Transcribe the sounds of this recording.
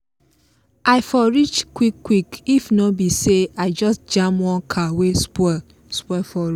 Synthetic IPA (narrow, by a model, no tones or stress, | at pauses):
ʔaɪfɔɹit͡ʃkwikːwikifnɔbiseaɪd͡ʒɔstd͡ʒãmwɔ̃nkʰawespɔ | spɔfɔ